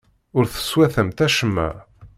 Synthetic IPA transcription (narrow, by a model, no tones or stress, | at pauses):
ʊɾθə̥swæθəmt̪æʃəmːæ̰